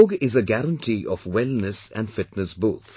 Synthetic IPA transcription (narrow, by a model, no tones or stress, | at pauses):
ɡɪzəɡæɾə̃nʈʰiʔɔfwɛlnəsæ̰̃nɖfɪʈnəsboːt̪ʰ